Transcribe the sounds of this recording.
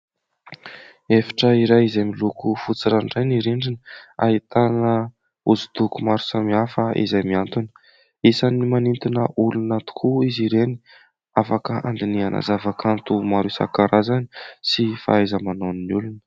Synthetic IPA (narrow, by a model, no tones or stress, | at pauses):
efḁʈ͡ʂəiɾajizajmilukufut͡siɾaɳɖ͡ʐajniɾiɳɖ͡ʐinəa̰ɦit̪anə | uzu̥d̪ukumaɾu̥samiafəʔḭzajmiant̪unə̥ | isanimanint̪inəʔulunət̪u̥kʰuiziɾeni | afakəʔa̰nd̪iniana̰zavakant̪umaɾusa̰kaɾazani̥sifa̰ajzəmanoninulunə̥